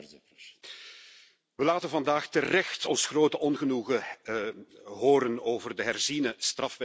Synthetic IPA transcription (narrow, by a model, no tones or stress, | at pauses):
ʋəlaːtənvɑndaːxtərɛxtɔnsxroːtəʔɔnɣənuɣə | ɦoːɾənoːvərdəɦɛrzinəstrɑfʋɛ